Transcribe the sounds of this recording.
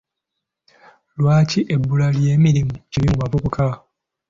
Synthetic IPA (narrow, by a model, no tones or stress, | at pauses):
lwaːciʔebːulalje̞ːmiɾimuciβimumapupuka